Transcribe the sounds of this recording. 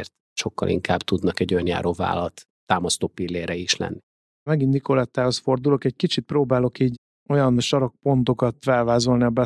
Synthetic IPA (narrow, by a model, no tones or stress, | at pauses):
rt̪ | ʃo̞kːɒ̰lʔḭŋkaːbt̪ud̪nɒkɛɟːojnja̰ːɾova̰ːlɒt̪ːaːmɒst̪oːpilːeːɾɛiʃlɛ̰nːi | mɛɡind̪ikolɛt̪ːaːhosfo̞rd̪ulo̞kɛckit͡ʃit̪̚proːbaːlo̞kiːɟ | o̞jɒnʃɒɾɒk̚po̞nt̪o̞kɒt̪fɛlvaːzo̞lniɒbɛ